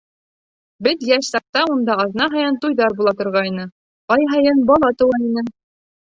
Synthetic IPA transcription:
bɘðjæʃsɑq̚t̪ɑund̪ɑɑðnɑɦɑjɤnt̪ujðɑɾbulˠɑt̪ŏɾʁɑjnɤ | qɑjɦɑjɤnbɑlˠɑt̪ɤ̆wɑinɘ

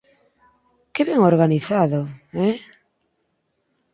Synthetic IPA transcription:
kɪβɛŋoɾɣaniθaðoɛ

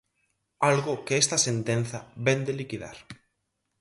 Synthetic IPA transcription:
alɣokeest̪asent̪ẽnθaβend̪elikiða̰ɾ

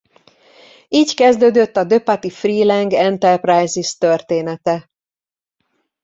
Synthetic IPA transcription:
iːckɛzd̪øːd̪øt̪ːɒd̪ø̞pat̪ifriːlɛŋɡɛnt̪ɛrprajzist̪ørt̪eːnɛt̪ɛ

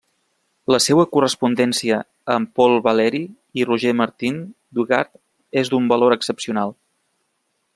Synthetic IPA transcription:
ləsewəkurəspund̪ɛnsiəː | mpɔlˠβəlɛɾi | iruʒeməɾt̪in | d̪uɣa̰ɾt̪ | ezd̪umbəloɾəksəpsiunalˠ

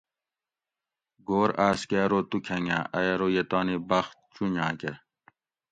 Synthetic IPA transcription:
ɡoːɾaːskeːɾoːt̪ukʰɐŋã̰ːʔɐjɐɾojet̪aːnibɐxt̪̚t͡ɕuɲãːke

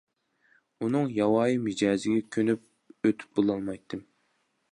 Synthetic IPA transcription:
unɨŋjɑwɑːjimid͡ʒɑːzɪɡʲɛkʲʰønyp̚ | øt̪ʰy̥p̚bolˠɑlˠmɑjt̪ʰːɨm

